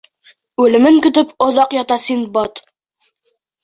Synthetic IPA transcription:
ʉlɘ̆mɘŋkɵ̆t̪ɵpŏðɑqjɑt̪ɑsinbɑt̪

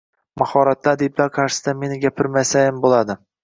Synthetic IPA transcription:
mahɒɾat̪ːad̪eblaɾqʰɑɾʃɪ̥sɪ̥d̪ame̞nɪɡʲapʰɪɾmajsajɪmbolˠad̪ɪ

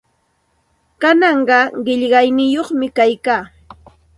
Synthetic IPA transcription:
kanɑɴɢɑɢɪʎɢɑjnɪjoχmɪkajkaː

